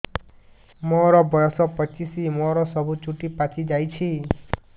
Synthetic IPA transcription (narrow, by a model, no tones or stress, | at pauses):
moɾɔbɔjɔsɔpɔt͡ʃisimɔɾɔsɔbʱut͡ʃuʈipat͡ʃid͡ʒajt͡ʃʰi